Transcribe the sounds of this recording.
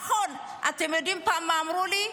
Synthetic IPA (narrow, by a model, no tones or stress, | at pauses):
hɔn | at̪emedimpamːamɾuli